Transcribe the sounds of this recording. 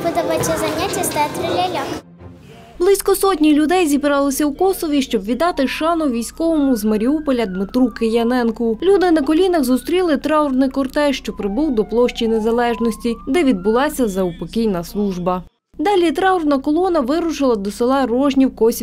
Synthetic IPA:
ʋɪd̪ɐʋɐtʲːɐzɐnʲatʲːɐst̪ɛt̪ɾɪlʲalʲak | blˠɪsʲkɔsɔtʲnʲilʲʊd̪ɛjzʲibɾɑlˠɪsʲɐwkɔsɔʋʲiʃt͡ʃɔbʋʲid̪ɑt̪ɪʃɑnɔʋʲijsʲkɔʋɔmʊzmɐɾʲiupɔlʲɐd̪mɪt̪ɾukejɐnɛnkʊlʲud̪ɪnɐkɔlʲinɐɣzʊst̪ɾʲilˠɪt̪ɾɑrnɪjkɔrt̪ɛʃt͡ʃɔpɾɪbuwd̪ɔplˠɔʃt͡ʃʲinezɐlˠɛʒnɔsʲtʲid̪ɛʋʲid̪̚bʊlˠɑsʲɐzɐʊpɔkʲijnɐslˠuʒbɐ | d̪ɑlʲit̪ɾɑʊrnɐkɔlˠɔnɐʋɪɾʊt͡ʃɪlˠɐd̪ɔsɪlˠɑrɔʒnʲiwkɔsʲ

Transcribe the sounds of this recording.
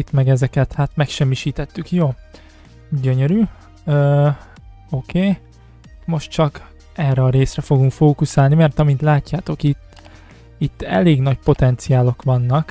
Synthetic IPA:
it̪mɛɡɛzɛkɛt̪haːt̪mɛkʃɛmːiʃiːt̪ɛt̪ːykjoː | ɟøɲøɾyː | øː | o̞kʰeː | mo̞ʃt̪̚t͡ʃɒk | ɛrːɛɒɾeːsrɛfo̞ɡuŋkfoːkusaːlnimɛrt̪ɒmint̪laːcːaːt̪o̞kit̪ː | it̪ːɛ̰leːɡnɒcpo̞t̪ɛnt̪sijaːlo̞kʋɒnːɒk

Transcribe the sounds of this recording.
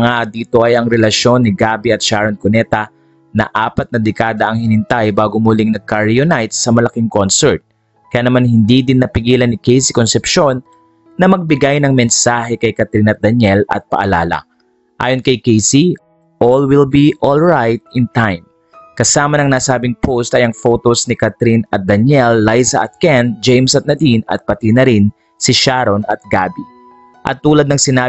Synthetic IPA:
ŋad̪iːt̪o̞ʔɐjɐŋɾɛlɐʃo̞nːɪɡaːbiɐt̪̚ʃaɹonkonɛt̪ɐ | nɐ̰ʔaːpɐt̪̚nɐd̪ɛkaːd̪ɐʔɐŋhɪnɪnt̪ajbaːɡomulɪŋnɐɡ̚kaɹjonajt̪sɐmɐlɐkiŋkonsɛɹt̪̚ | kɐjaːnɐmanhɪnd̪id̪ɪnːɐpɪɡiːlɐnɪkɛjsikonsɛpʃo̞nː | ɐmɐɡ̚bɪɡajnɐŋmɛnsaːɦɛkɐjkɐt̪ɪlnɐt̪̚d̪ɐnjɛlɐ̰t̪̚pɐ̰ʔɐ̰la̰ːlɐ̰ | ʔa̰ːjonkɐjkɛjsi | ʔolwɪlbiʔolɹajt̪̚ɪnt̪ajm | kɐsaːmɐnɐŋnaːsaːbɪŋpʰost̪ɐjɐŋfo̞t̪osnɪkat̪ɾinɐt̪̚d̪ɐnɛlːajsɐʔɐt̪̚kɛnd͡ʒejmsɐt̪̚nɐd̪inɐ̰t̪̚pɐt̪inɐɾin | sɪʃaɾonɐt̪̚ɡaːbi | ʔɐ̰t̪ːuːlɐd̪nɐŋsɪnaː

